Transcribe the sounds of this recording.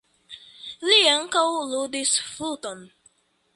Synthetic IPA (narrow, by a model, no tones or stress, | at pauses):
liaŋ̩kawuludisfutɔ̃n